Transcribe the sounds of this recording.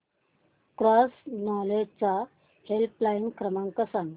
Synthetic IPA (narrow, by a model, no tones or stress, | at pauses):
kɾasnɔled͡ʑt͡sa | helplainkɾəmãŋkəsan